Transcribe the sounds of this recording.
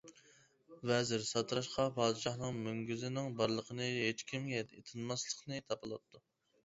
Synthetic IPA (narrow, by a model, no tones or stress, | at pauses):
vɛzɪɾsɑt̪ʰɾɑʃqʰɑpʰɑːd̪ɨʃɑχnɨŋmyŋɡʲyzɪnɪŋbɑɾlˠəqʰənɨɦet͡ʃkʲimɛt̪et̪ʰɨnmɑslˠəqnɨt̪ʰɑpəlˠɑ̰t̪ʰːu